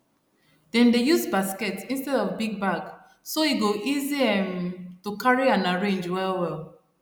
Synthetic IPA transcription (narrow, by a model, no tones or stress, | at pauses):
d̥ɛ̃ndejuzbaskɛtĩnstɛdɔvbiɡ̚baɡ | soiɡoʔiziɛ̃mtukaɹiãnaɹẽnd͡ʒwɛlwɛl